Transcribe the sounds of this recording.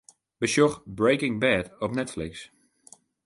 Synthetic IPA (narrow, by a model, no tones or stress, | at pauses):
bəʃɔxbɹejkɪ̃ŋbɛtɔpnɛtflɪks